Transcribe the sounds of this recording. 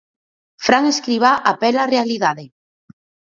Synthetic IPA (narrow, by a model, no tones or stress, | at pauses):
fɾaŋeskɾiβaʔapɛlarealiðaðe